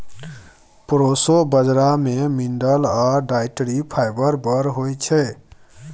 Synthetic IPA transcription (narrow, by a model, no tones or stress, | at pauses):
pɾosobəd͡ʒɾamemiɳɖəlaɖaɪʈɾipʰajbəɾbəɾɦojt͡ʃʰɛ